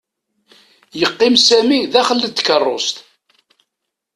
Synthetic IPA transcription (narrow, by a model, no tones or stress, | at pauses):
jəqːɪmsæmiðæχəlːət̪ːkərˤːost̪